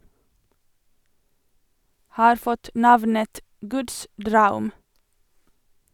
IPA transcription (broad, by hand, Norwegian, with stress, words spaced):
ˈhɑːɾ ˈfɔt ˈnɑʋnət ˈɡʉːds ˈdɾɑʉm